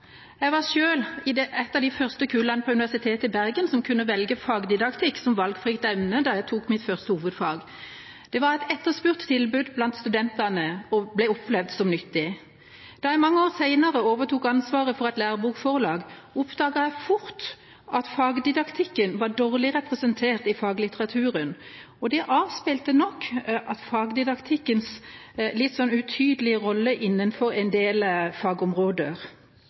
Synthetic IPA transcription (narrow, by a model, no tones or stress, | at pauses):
jæɪʋɑʁʂøːlɪd̪ɛʔɛt̪ːɑd̪æfœʁst̪əkʰʉːlɑnəpʰɔʉnɪʋæsɪt̪ʰeːt̪əɪbæʁɡənsɔmkʰʉnːəʋɛlɡəfɑːɡd̪ɪd̪ɑkt̪ʰɪkːsɔmʋɑlɡfʁɪkt̪ɛmnəd̪ɑjæɪt̪ʰuːkmɪt̪fœʁst̪əhuːʋəd̪fɑːɡ | d̪̥ɛʋɑʁɛɪt̪ɛt̪ːəʁspʉʁt̪ʰːɪlbʉd̪blɑnt̪st̪ʉd̪ɛnt̪ɑnəɔblæɪɔpʰlɛʋd̪sɔmnʏt̪ːɪ | d̪̥ɑjæɪmɑŋːəoːʁsæɪnəʁəoːʋəʁt̪uːkɑnsʋɑːʁəfɔʁɛt̪læːʁbuːkfɔʁlɑːɡʊpd̪ɑːɡəæfʊɾt̪ | ʔɑt̪fɑːɡd̪ɪd̪ɑkt̪ʰɪkːənʋɑɖoːʁlɪʁɛpʁɛsənt̪ʰeːʁt̪ɪfɑːɡlɪt̪əʁɑt̪ʰʉːʁən | ɔd̪ɛʔɑːʋspelt̪ənɔkːʔɑt̪fɑːɡd̪ɪd̪ɑkt̪ʰɪkːəns | lɪt̪ːsɔnʉt̪ʰyːd̪əlɪəʁɔlːəʔɪnːənfɔɾɛnd̪eːlfɑːɡɔmʁoːd̪əɾ